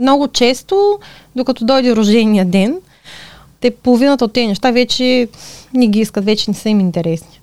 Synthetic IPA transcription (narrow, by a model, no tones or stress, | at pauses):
mnɔɡʊt͡ʃɛst̪o | d̪okɐt̪ɔd̪ɔjd̪iɾoʒɛniəd̪ɛn | t̪ɛpolˠovinət̪əot̪ːɛnɛʃt̪avɛt͡ʃɛnɛɡʲiiskət̪vɛt͡ʃɛnɛsəimint̪ɛɾɛsni̥